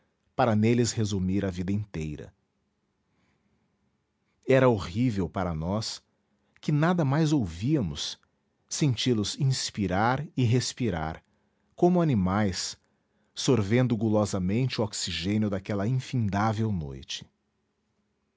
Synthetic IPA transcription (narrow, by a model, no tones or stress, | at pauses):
paɾɐnelɪshezumiɾɐvid̪ɐĩnt̪ejɾɐ̰ | ɛɾɐoʁivewpaɾɐnɔs | kɪnad̪ɐmajzowviɐmʊsː | ẽnt͡ʃilʊsĩspiɾaɾɪɦespiɾa̰ɾ | kõmʊanimajs | soɾvẽnd̪ʊɡulɔzɐmẽnt͡ʃɪʊɔksiʒẽnjʊd̪akɛlɐĩfĩnd̪avewno̰jt͡ʃɪ̥